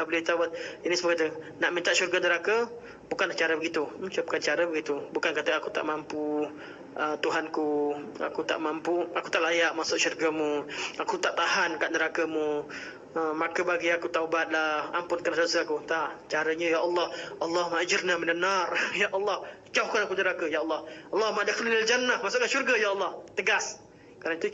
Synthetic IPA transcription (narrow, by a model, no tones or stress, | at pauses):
abəlɪht̪aubat̪̚inisəməkat̪ənaʔmĩnt̪aʔʃurɡanəɾakə | bukanlaht͡ʃaɾəbəɡit̪ut͡ʃuəp̚kant͡ʃaɾəbəɡit̪ubukankat̪əakut̪a̰ʔmampu | ʔət̪uɦankua̰kut̪a̰ʔmampuaku̥t̪aʔlajaʔmasʊʔʃurɡamũakut̪aʔt̪ahankaʔnəɾakəmũ | əmakəbaɡiakut̪aubat̪̚laha̰mpʊnkənasdasəakut̪aʔt͡ʃaɾəɲəjaʔɑlːɑhʔɑlːɑhmaʔd͡ʒərnaməndənarjaʔɑlːɑh | t͡ʃawkanakunəɾakəjaʔɑlːɑhɑlːɑhumaʔdaxəllild͡ʒanːahmasʊʔkanʃurɡəjaɑlːɑht̪əɡas | kaɾaŋt̪u